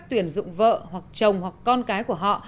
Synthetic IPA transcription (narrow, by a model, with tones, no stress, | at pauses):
k̚t̪wi˧˩ənzʊ̰˧˨ŋ͡mvə̰ː˧˨hwa˨˩k̚t͡ɕə˨˩wŋ͡mhwa˨˩kːɔ˧nkaː˨˦jku˧˩əɦɔ̰˧˨